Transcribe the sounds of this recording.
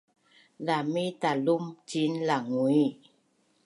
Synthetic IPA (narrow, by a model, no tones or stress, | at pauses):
lamit̪alumt͡ʃinlaŋwi